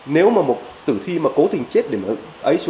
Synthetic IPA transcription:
ne˨˦wmaː˨˩mo˨˩t̚t̪ɨ˧˩t̪ʰi˧maː˨˩ko˨˦t̪ï˨˩ŋ̟t͡ɕe˦˥t̚ɗe˧˩m˨˦ | ʔə˨˦jsw

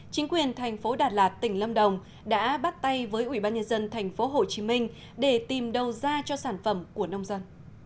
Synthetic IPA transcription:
t͡ɕï˨˦ŋ̟kwi˨˩ənt̪ʰɛ˨˩jŋ̟fo˨˦ɗaː˨˩t̚laː˨˩t̚t̪ï˧˩ŋ̟lə˧mɗə˨˩wŋ͡m | ɗa̰ː˧˥ɓa˦˥t̚t̪a˧jvəː˨˦jʔi˧˩ɓaː˧nɲə˧nzə˧nt̪ʰɛ˨˩jŋ̟fo˨˦ɦo˨˩t͡ɕi˨˦mï˧ŋ̟ | ɗe˧˩t̪i˨˩mɗə˨˩wzaː˧t͡ɕɔ˧saː˧˩nfə˧˩mku˧˩ənə˧wŋ͡mzə˧n

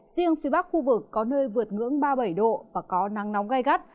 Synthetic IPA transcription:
z̥i˧əŋfi˨˦ɓa˦˥k̚xu˧vɨ˨˩kːɔ˨˦nəː˧jvɨ˨˩ət̚ŋɨ̰˧˥əŋɓaː˧ɓə˧˩jɗo̰˧˨vaː˨˩kɔ˨˦na˨˦ŋnɔ˨˦wŋ͡mɣa˧jɣa˦˥t̚

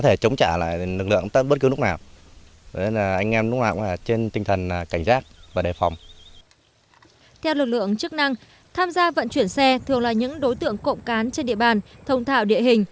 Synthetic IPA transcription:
kɔ˨˦t̪ʰe˧˩t͡ɕə˨˦wŋ͡mt͡ɕaː˧˩la̰ː˧˨jlɨ˨˩k̚lɨ̰˧˨əŋt̪ə˦˥ɓə˦˥t̚kɨ˨˦nʊ˦˥k̚naː˨˩w | e˧˩nlaː˨˩ʔa˧jŋʔɛ˧mn˦˥ŋ͡mna̰˧˩klaː˨˩t͡ɕe˧nt̪ï˧ŋt̪ʰə˨˩nː˨˩ka˧˩jŋ̟zaː˦˥k̚vaː˨˩ɗe˨˩fa˨˩wŋ͡m | t̪ʰɛ˧wlɨ˨˩k̚lɨ̰˧˨əŋt͡ɕɨ˦˥k̚na˧ŋ | t̪ʰaː˧mzaː˧və̰˧˨nt͡ɕwi˧˩ənsɛ˧t̪ʰɨ˨˩əŋlaː˨˩ɲɨ̰˧˥ŋɗo˨˦jt̪ɨ̰˧˨əŋko̰˧˨wŋ͡mkaː˨˦nt͡ɕe˧nɗḭ˧˨əɓaː˨˩nt̪ʰə˨˧wŋ͡mt̪ʰa̰ː˧˨wɗḭ˧˨əɦï˨˩ŋ̟

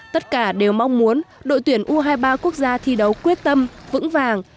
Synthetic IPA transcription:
t̪ə˦˥t̚kaː˧˩ɗe˨˩wma˧wŋ͡mmu˨˦ənɗo̰˧˨jt̪wi˧˩ənʔu˧ɦaː˧jɓaː˧ku˦˥ək̚zaː˧t̪ʰi˧ɗə˨˦wkwi˦˥ət̚t̪ə˧mvɨ̰˧˥ŋvaː˨˩ŋ

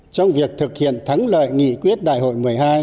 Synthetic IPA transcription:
t͡ɕɔ˧wŋ͡mvi˨˩ək̚t̪ʰɨ˨˩k̚hḭ˧˨ənt̪ʰa˨˦ŋlə̰ː˧˨jŋḭ˧˨kwi˦˥ət̚ɗa̰ː˧˨jɦo̰˧˨jmɨ˨˩əjɦaː˧j

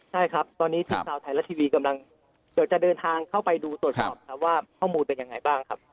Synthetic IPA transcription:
t͡ɕʰa˥˩jkʰɾa˦˥p̚t̪ɔː˧nːiː˦˥t̪ʰiː˥˧˩kʰaː˧˩t̪ʰa˨˩jlɛ˦˥t̪ʰiː˧wiː˧ka˧mla˧ŋ | di˨˩w̚t͡ɕa˨˩dɤː˧nt̪ʰaː˧ŋkʰa˥˩wpa˧jduː˧su˨˩ət̪ʰɔ˧˩mkʰa˦˥p̚waː˥˩kʰɔː˥˩muː˧npe˧nja˧ŋːa˧jbaː˥˩ŋkʰa˦˥p̚

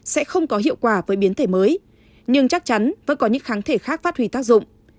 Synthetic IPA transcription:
sɛ̰˧˥xə˧wŋ͡mkɔ˨˦ɦḭ˧˨əwkwaː˧˩vəː˨˦jɓi˨˦ənt̪ʰe˧˩məː˨˦j | ɲɨ˧ŋt͡ɕa˦˥k̚t͡ɕa˨˦nvə̰˧˥nkɔ˨˦ɲɨ̰˧˥ŋxaː˨˦nt̪ʰe˧˩xaː˦˥k̚faː˦˥t̚hwi˧˩t̪aː˦˥k̚zʊ̰˧˨ŋ͡m

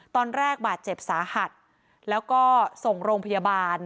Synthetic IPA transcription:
t̪ɔː˧nɾɛː˥˩k̚baː˨˩t̪̚t͡ɕe˨˩p̚saː˩˦ha˨˩t̪̚ | lɛː˦˥wkɔː˥˩so˨˩ŋɾoː˧ŋpʰa˧ja˧baː˧n

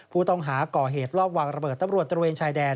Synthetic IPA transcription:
pʰuː˥˩t̪ɔ˥˩ŋɦaː˩˦kɔː˨˩ɦeː˨˩t̪̚ɾɔː˥˩p̚waː˧˩ŋɾa˧bɤː˨˩t̪ːa˧˦mɾu˨˩ət̪̚ːɾweː˧nt͡ɕʰaː˧jdɛː˧

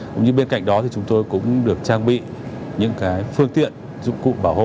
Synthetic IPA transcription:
ʊ̰˧˨ŋ͡mɲɨ˧ɓe˧nka̰˧˨jŋ̟ɗɔ˨˦t̪i˨˩t͡ɕʊ˨˦ŋ͡mt̪o˧jkʊ̰˧˥ŋ͡mɗɨ˨˩ək̚t͡ɕaː˧ŋɓḭ˧˨ | ɲɨ̰˧˥ŋkaː˨˦jfɨ˧əŋt̪ḭ˧˨ən | zʊ̰˧˨ŋ͡mkṵ˧˨ɓaː˧˩who̰˧˨

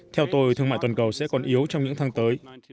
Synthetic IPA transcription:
t̪ʰɛ˧wt̪o˧jt̪ʰɨ˧ŋma̰ː˧˨t̪wa˨˩nkə˨˩wsɛ̰˧˥kɔ˨˩nʔi˨˦əwt͡ɕɔ˧wŋ͡mɲɨ̰˧˥ŋt̪ʰaː˨˦ŋt̪əː˨˦j

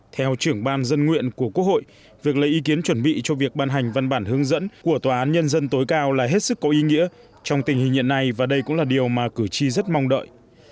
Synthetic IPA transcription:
t̪ʰɛ˧wt͡ɕɨ˧˩əŋɓaː˧nzə˧nŋwḭ˧˨ənku˧˩əku˦˥ək̚ho̰˧˨j | vi˨˩ək̚lə̰˧˩jʔi˨˦ki˨˦ənt͡ɕwə˧˩nɓḭ˧˨t͡ɕɔ˧vi˨˩ək̚ɓaː˧nɦa˨˩ŋ̟va˧nɓaː˧˩nhɨ˨˦əŋzə̰˧˥nku˧˩ət̪waː˨˩ʔaː˨˦nɲə˧nzə˧nt̪o˨˦jkaː˧wlaː˨˩ɦe˦˥t̚sɨ˦˥kːɔ˨˦ʔi˨˦ŋḭ˧˥ə | t͡ɕɔ˧wŋ͡mt̪ï˨˩ŋ̟hï˨˩ŋ̟ɲḭ˧˨nːa˧˩jvaː˨˩ɗə˧jkʊ̰˧˥ŋ͡mlaː˨˩ɗi˨˩əwmaː˨˩kɨ˧˩t͡ɕi˧zə˦˥t̚mɔ˧wŋ͡mɗə̰ː˧˨jʔ

